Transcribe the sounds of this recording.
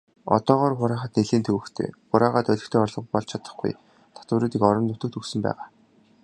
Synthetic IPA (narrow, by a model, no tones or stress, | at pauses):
ɔ̰t̪ɔːʁɔːrχʊɾaːχə̆t̪eɮeːnt̪ʰɵwɵ̆kt̪ʰḛːχʊɾaːʁaːt̪œɮʲɪ̆xt̪ʰeːɔrɮɞ̆pɔɮt͡ɕʰat̪ə̆χɡṵj | t̪ʰḁt̪ʊ̆ɾuːt̪iːkɔɾɞ̆nːʊt̪ɵ̆kt̪ɵksɵ̆mpæ̰ːʁaː